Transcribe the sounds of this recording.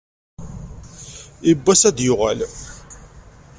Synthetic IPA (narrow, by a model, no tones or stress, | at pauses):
ibːæsæd̪jʊʁæ̰l